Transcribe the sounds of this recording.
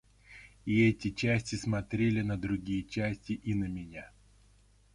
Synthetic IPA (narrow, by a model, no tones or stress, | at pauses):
iɛtʲɪt͡ɕæsʲtʲɪsmɐt̪ɾʲelʲɪnəd̪ɾʊɡʲijət͡ɕæsʲtʲɪʔinəmʲɪnʲa